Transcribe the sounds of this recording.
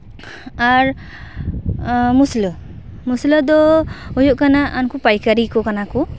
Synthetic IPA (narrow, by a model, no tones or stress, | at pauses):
aɾ | muslɔ | muslɔd̪ɔɔjɔʔkanaʔankupajkaɾikɔkanaku